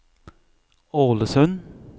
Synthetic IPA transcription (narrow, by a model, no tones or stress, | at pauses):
oːləsœn